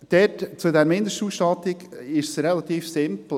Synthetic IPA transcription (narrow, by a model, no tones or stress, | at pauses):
d̪̥ɛtt͡sudæɾmɪnd̪əʃtuːsʃtɑt̪ɪɡɪʃsɾɛlɑt̪iːfsɪmpl̩